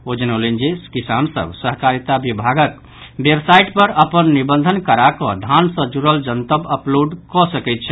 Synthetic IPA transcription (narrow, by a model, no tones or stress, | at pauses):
od͡ʒənəlɛnd͡ʒeskisansə̰bsəɦkaɾit̪abibʱaɡək | bjebsaiʈpəɾəpənːibənd̪ʱənkəɾakɔ̃d̪ʱansə̃d͡ʒuɾəld͡ʒənt̪əbəploɖkɔsəkɛjt̪̚t͡ʃʰɛ